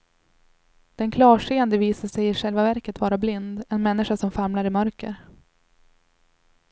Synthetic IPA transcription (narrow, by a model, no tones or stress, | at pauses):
d̪̥ɛnkʰlɑːʂeːənd̪əviːsaʂɛjɪʂɛlvavæɾkət̪vɑːɾablɪnd̪ɛnmɛnːɪʂasɔmfaɾmlaɾɪmœɾkə̰ɾ